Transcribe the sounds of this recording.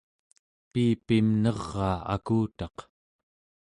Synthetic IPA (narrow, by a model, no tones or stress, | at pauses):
piːpimnʌʁːɑːa̰kuːt̪ɑq